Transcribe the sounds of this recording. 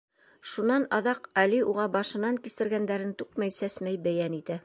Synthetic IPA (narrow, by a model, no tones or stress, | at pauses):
ʃunɑnɑðɑqæliuʁɑbɑʃɤ̆nɑŋkist̪ɘ̆ɾɡænd̪æɾɘnt̪ʉqmæjsæsmæjbæjænit̪æ